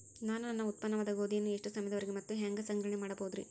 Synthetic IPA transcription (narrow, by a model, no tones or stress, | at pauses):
naːnunɐnːɐut̪̚pɐnːɐʋɐd̪ɐɡoːd̪ijnːueʂʈusɐmjɐd̪ɐʋɐɾiɡemɐt̪ːuɦaːŋɡɐsɐŋɡɾɐɳemaːɽɐboːud̪ɾḭ